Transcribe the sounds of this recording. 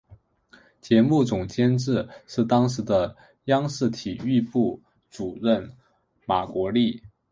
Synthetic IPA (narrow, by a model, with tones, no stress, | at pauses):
t͡ɕjɛ˧˥mu˥˩t͡sʊ˨˩ŋt͡ɕjɛ˥nʈ͡ʂɻ̩˥˧ʂɻ̩˥˩t̪ɑ˥ŋʂɻ̩˧˥d̪ə˧ | jɑ˥ŋʂɻ̩˥˩t̪ʰi˨˩y˥˧pu˥˩ | t͡su˨˩ɻə˥˩n | ma˨˩kwɔ˧˥li˥˩